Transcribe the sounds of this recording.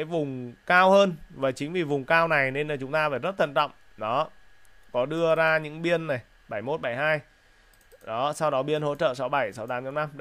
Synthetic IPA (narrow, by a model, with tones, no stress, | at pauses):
a˨˦jvʊ˨˩ŋ͡mkaː˧whəː˧nvaː˨˩t͡ɕï˨˦ŋ̟vi˨˩vʊ˨˩ŋ͡mkaː˧wna˨˩jne˧naː˨˩t͡ɕʊ˨˦ŋ͡mt̪aː˧vaː˧˩zə˦˥t̚t̪ʰə̰˧˨nt͡ɕɔ̰˧˨wŋ͡m | ɗɔ˨˦kɔ˨˦ɗɨ˧əzaː˧ɲɨ̰˧˥ŋɓi˧ənːa˨˩j | ɓa˧˩jmo˦˥t̚ɓa˧˩jhaː˧j | ɗɔ˨˦sa˧wɗɔ˨˦ɓi˧ənho̰˧˥t͡ɕə̰ː˧˨sa˨˦wɓa˧˩jsa˨˦wt̪aː˨˦mə˧wna˧m